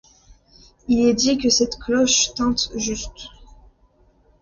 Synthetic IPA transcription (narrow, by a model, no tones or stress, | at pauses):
ilɛd̪ikʲəsɛt̪klɔʃt̪ɑ̃t̪ʒyst̪